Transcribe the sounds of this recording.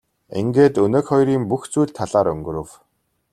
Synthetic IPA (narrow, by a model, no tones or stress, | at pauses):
ḛŋɡeːt̪ɵneːkχɔjɾiːmpuxt͡sujɮt̪ʰːaɮaːɾɵŋɡɵ̆ɾɵ̆w